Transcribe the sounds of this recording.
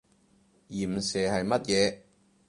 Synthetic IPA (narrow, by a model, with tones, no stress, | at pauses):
jiː˨˩m̩˨sɛː˨˩hɐ˨jmɐ˥t̚jɛː˨˧